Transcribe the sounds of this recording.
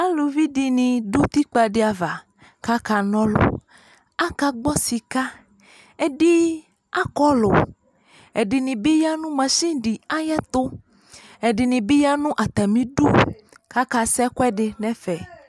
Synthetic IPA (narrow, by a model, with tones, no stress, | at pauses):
a˦lo˨vi˦ɖi˨nĩ˨du˦t̪i˦k͡pa˨ɖe˨a˨va˨ | ka˦ka˨nɔ̃˦lo̰˦ | a˦ka˨ɡ͡bɔ˦si˨ka˦ | e˦ɖi˦ | a˦kɔ˦lʊ˨ | ɛ˨ɖi˨nĩ˨bi˦ja˦nũ˦mã˨sĩ˦ɖi˨a˦jɛ˦t̪ʊ˦ | ɛ˨ɖi˨nĩ˨bi˦ja˦nũ˦ʔa˨t̪a˨mĩ˦ɖu˦ | ka˦ka˨sɛ˦kwɛ˦ɖɪ˨nɛ̃˦fɛ˨